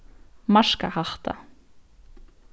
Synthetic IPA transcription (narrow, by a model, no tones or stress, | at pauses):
maʂka̰haht̪a̰